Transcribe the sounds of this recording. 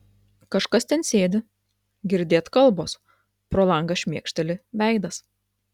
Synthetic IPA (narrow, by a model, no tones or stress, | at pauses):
kɐʃkɐst̪ʲɛnsʲeːd̪ʲɪ | ɡʲɪɾʲd̪ʲeːt̪kɐlˠboːs | pɾoːlˠɐŋɡɐʃʲmʲiɛkʃʲt̪ʲɛlʲɪʋʲæˑɪd̪ɐs